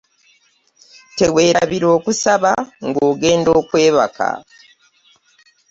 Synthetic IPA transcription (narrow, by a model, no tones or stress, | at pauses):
te̞we̞ːɾaβiɾo̞ːkusaβaŋɡo̞ːɡe̞ːndo̞ːkwe̞ːβa̰ka̰